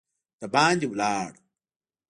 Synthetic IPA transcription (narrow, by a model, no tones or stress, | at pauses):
t̪ɐbaːnd͡ʑiwlaːɽ